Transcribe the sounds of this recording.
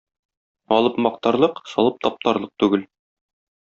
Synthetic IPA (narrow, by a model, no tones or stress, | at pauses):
ɒlˠɤpmɒq̚t̪ɑɾlˠɤqsɒlˠɤp̚t̪ɒp̚t̪ɑɾlˠɤq̚t̪ʉɡɘl